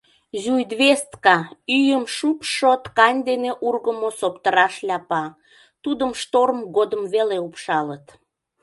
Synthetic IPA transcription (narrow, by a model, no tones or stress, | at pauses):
zujd̪βest̪kɑyjəmʃupʃot̪kɑnʲd̪eneʔurɣəmosopt̪əɾɑʃlʲɑpɑ | t̪ud̪əmʃt̪orəmɡod̪əmveleupʃɑlət̪